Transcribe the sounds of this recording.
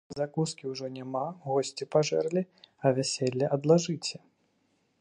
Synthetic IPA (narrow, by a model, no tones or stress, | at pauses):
zakuskʲiwʐɔnʲamaɣɔsʲt͡sʲipaʐɛrlʲiɐvʲasʲelʲːɛʔɐd̪lˠaʐɨt͡sʲɛ